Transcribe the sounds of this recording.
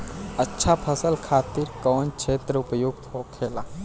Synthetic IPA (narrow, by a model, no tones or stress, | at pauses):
ətːʃʰapʰəsəlkʰaːt̪iɾkɔːnkʃʰeːt̪ɾəʊpjʊɡ̚t̪ɦoːkʰeːla